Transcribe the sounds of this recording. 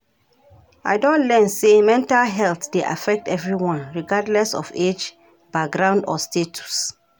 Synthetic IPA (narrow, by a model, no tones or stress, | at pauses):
aɪdõntlɛnsemɛ̃ntalɦɛlt̪deʔa̰fɛk̚tɛvɹiwɔ̃nɹiɡadlɛsɔ̰fed͡ʒ | b̥ak̚ɡɾãʊ̃ndɔstʰetʰu̥s